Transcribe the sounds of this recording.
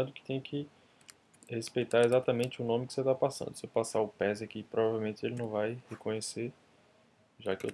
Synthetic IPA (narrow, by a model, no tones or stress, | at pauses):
ad̪ʊkɪ̥t̪ẽj̃ɐ̃kɪ | hespejt̪aɾezat̪ɐmẽnt͡ʃɪʊnõmɪkɪ̥set̪apasɐ̰̃d̪ʊsepasaʊpɛzakipɾovavewmẽnt͡ʃ̪ɪelɪnɐ̃w̃vajhekõɲese | ʒakɪḛ